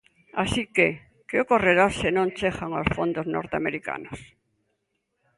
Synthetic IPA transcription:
asike | kɪokoreɾasenõnt͡ʃexaŋo̰sfond̪ozno̰ɾt̪ea̰meɾika̰nos

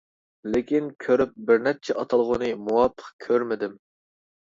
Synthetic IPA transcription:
lɪkʲinkʲʰøɾyp̚bɪɾnɛp̚t͡ʃʰɛʔɑt̪ʰɑlˠʁʊnɨmuwɑpʰːə̥qkʲʰøɾmɪd̪ɪm

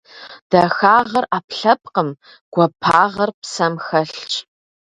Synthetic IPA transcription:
d̥ɐxaːʁɐraːpɬɐp̚ʼqəm | ɡ̥ʷɔpʰaːʁɐrpsɐmxɐɬt͡ʃʼ

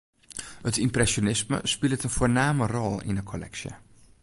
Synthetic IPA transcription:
hətɪmprɛsonɪsmə̰spɪlˠətənfoːɹnaːmərɔlˠɪ̰nəkʰɔlɛ̰ksjə̰

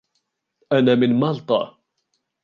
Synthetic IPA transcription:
ʔanaːmɪnmɑlt̪ˤɑ̰

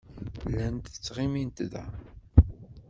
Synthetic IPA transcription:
lːænt̪ət͡sːʁimint̪ðæ

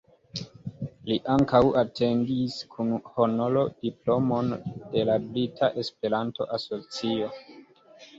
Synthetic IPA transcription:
liʔaŋkawʔatʰe̞ŋɡiskʰunhonolo̞d̥iplo̞mo̞nde̞labɾitʰaʔe̞spe̞ɾanto̞̰ʔaso̞t͡sio̞

